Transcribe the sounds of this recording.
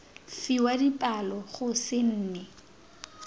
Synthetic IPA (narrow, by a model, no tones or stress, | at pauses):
fiwadipʼalɔχʊsɪn̩ːnɛ